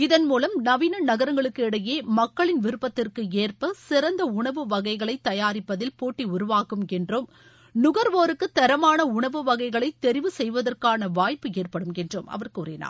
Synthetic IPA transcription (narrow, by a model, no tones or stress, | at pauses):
ɪðɐnmuːlɐmnɐʋiːnɐnɐɣɐɾɐŋɡɐɭɯkːɯɪɽɐjeːmɐkːɐɭɪnʋɪɾɯpːɐt̪ːɪrkɯeːrpɐsɪɾɐnd̪ɐʊɳɐʋɯʋɐɣɐɪɣɐɭɐɪt̪ːɐjaːɾɪpːɐðɪlpoːʈːiʊɾʊʋaːkɯmɛndrɯm | nʊɣɐɾʋoːɾɯkːɯt̪ːɐɾɐmaːnɐʊɳɐʋɯʋɐɣɐɪɣɐɭɐɪt̪ːɛɾɪʋɯsɛjʋɐðɐrkaːnɐʋaːjpːɯeːrpɐɽɯmɛndromʔɐ̰ʋɐrkurɪna̰ː